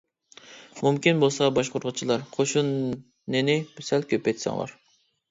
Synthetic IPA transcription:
mumkʲinbolˠsɑbɑʃqʊɾʁət͡ʃʰilˠɑɾqʰoʃunː | ɪnɪbysɛlkʲʰøpejt̪sɑ̰ŋlˠɑ̰ɾ

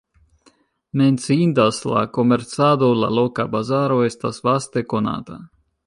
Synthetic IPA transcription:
menʲsiːnd̪asla̰komeɾt̪saːd̪ola̰lokabazaɾoest̪asvast̪ekona̰ːt̪a̰

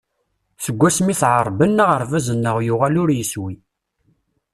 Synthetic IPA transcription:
θəɡʷːæsmiθʕəɾˤbənːəʁəɾˤvæzənːəʁjʊʁalʊɾjəswi

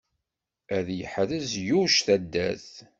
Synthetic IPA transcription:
æðjəħðəzjuʃθæd̪ːæθ

